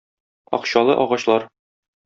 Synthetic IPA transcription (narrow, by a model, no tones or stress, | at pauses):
ɒ̰qɕɑlˠɤ̰ʔɒʁɑɕlˠɑɾ